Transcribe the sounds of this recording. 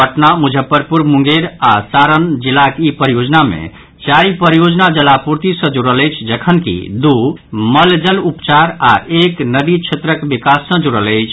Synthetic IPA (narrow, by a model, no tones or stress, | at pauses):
əʈnamud͡ʒʱəpːəɾpuɾmuŋɡeɾasaɾənd͡ʒilakipəɾijod͡ʒnamḛ̃ | t͡ʃaɾipəɾijod͡ʒnad͡ʒəlapuɾt̪isə̃d͡ʒuɽələjt͡ʃʰd͡ʒəkʰənkḭd̪uməld͡ʒəlupt͡ʃaɾa̰ʔeknəd̪it͡ʃʰet̪ɾəkbikasːə̃d͡ʒuɽələjt͡ʃʰ